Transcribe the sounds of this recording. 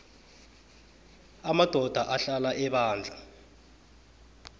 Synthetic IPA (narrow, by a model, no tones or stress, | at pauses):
amad̥ʱɔd̥ʱaʔaɬalaʔɛɓaːnd͡ɮʱa